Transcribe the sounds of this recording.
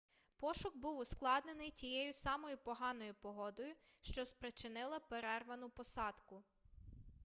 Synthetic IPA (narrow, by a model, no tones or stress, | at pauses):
pɔʃʊkbuwʊsklˠɑd̪nenɪjtʲijɛjʊsɑmɔjʊpɔɦɑn̪ɔjʊpɔɦɔd̪ɔjʊʃt͡ʃɔspɾet͡ʃɪnɪlˠɐpeɾɛrʋɐnʊpɔsɑd̪kʊ